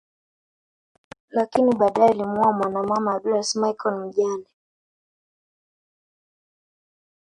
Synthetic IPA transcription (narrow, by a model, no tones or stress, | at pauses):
lakiniɓaːɗajɛalimuamwanamwamaːɗulasmajkɔlm̩ʄanɛ